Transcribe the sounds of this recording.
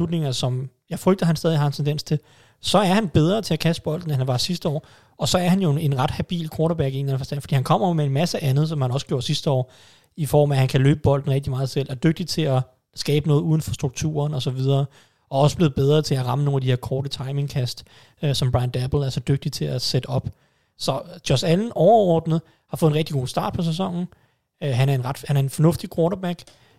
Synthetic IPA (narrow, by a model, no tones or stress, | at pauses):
slud̥ne̝ŋɐsɒ̽mjɑ̈ɪfʁœɡ̚d̥ðɐhænsd̥ɛðˠihɑ̈ent͡sʰend̥en̰st͡sʰe̝l | sɒ̽æɐhænb̥eð̞ˠʁɐt͡sʰe̝ækʰæsd̥̚b̥ɒ̽l̰d̥n̩æɦænʋɑ̈sis̬d̥əɒ̰ː | ɒ̽sɒ̽æɐhænjo̝e̝nʁɑ̈d̥hæb̥ḭːlkʰɒːɾɐb̥æɡ̥ie̝nlænəfɒ̽sd̥ænfɒd̥ḭːhænkʰɒ̽m̰ɐjo̝mee̝nmæsəʔænð̩ˠsɒ̽mhænɒ̽səɡ̥jo̝̰ɐ̰sisd̥əɒ̰ː | ifɒ̰ːmæhænkʰælø̰ːb̥əb̥ɒ̽l̰d̥n̩ʁɛɡ̚d̥imɑ̈ːð̞̩ˠsel̰ɒd̥øɡ̥̚d̥it͡sʰe̝læ | sɡ̥ɛːb̥ənɔ̽ːð̞̩ˠuːð̞ˠn̩fɒ̽sd̥ʁuɡ̥̚t͡sʰṵːɐnɒ̽sɒ̽ʋið̞ˠɐː | ɒ̽ɒ̽səb̥le̝ːð̩ˠb̥eð̞ˠʁɐːt͡sʰe̝læʁɑ̈məno̝ːn̩æd̥ihe̝ɐkʰɒːd̥ət͡sʰɑ̈ɪme̝ŋkʰæsd̥ | sɒ̽mb̥ʁɑ̈ɪnd̥æb̥l̩ˠæɐsɒ̽d̥øɡ̥̚d̥it͡sʰe̝æsed̥əɒ̽b̥ | sɒ̽d̥jɒsæln̩ɒʊɐɒ̰ːd̥nəð̩ˠ | hɑ̈fɔ̽ð̩ˠenʁeɡ̥̚iɡ̥o̝̰ːsd̥ɑ̈ːd̥pʰɒ̽s̬es̬ɒ̽ŋ̰n̩ | øɦænæɐenʁɑd̥hænæɐe̝nfɒ̽nɔ̽fd̥ikʰʁoːnɐb̥æɡ̥